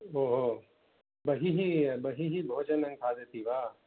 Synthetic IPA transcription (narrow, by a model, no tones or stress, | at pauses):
oːɦoː | bɐɦiɦibɐɦiɦibʱoːd͡ʒənɐ̃ŋk̪ʰaːd̪eːt̪ʰiʋaː